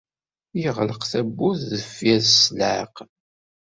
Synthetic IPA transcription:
jəʁləqθæbːuθðəfjæðəsləq

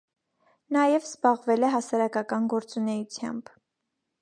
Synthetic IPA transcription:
nɑjɛvzbɑʁvɛlɛɦɑsɑɾɑkɑkɑnɡɔɾt͡sunɛjut͡sʰjɑ̰mb̥

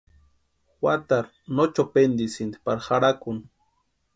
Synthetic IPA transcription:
xwat̪aɾ | not͡ʃopend̪isind̪i̥paɾxaɾakun

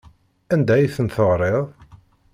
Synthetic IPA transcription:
ænd̪æjiθənθəʁɾˤeðˤ

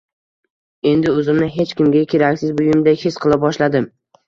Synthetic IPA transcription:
e̞nd̪ɪɵzɪmnɪɦe̞t͡ʃkʲɪmɡʲakʲʰe̞ɾakʲsɪzbʊjɪmd̪ajhesqʰɨlˠabɒʃlad̪ɪm

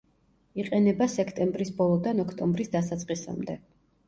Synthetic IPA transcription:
iqʼɛnɛbasɛkʰt̪ʼɛmbɾisbɔlˠɔd̪anɔkʰt̪ʼɔmbɾisd̪asat̪sʼqʼisa̰md̪ɛ

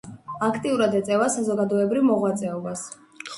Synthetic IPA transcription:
akʰt̪ʼiuɾad̪ɛt̪sʼɛvasazɔɡad̪ɔɛbɾivmɔʁwat̪sʼɛɔbas

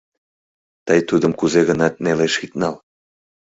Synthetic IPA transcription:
t̪əjt̪ud̪əmkuzeɣənɑt̪̚neleʃit̪nɑl

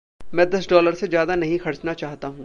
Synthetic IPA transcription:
mɛ̃ːd̪ɐsɖɔːləɾsezjaːd̪anɐɦĩxɐɾt͡ʃnat͡ʃaːɦt̪aɦũː

